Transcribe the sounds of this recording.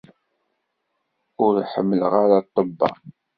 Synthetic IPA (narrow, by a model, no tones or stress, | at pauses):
ʊɾħəmːələʁaɾat̪ˤːəbːɑ̰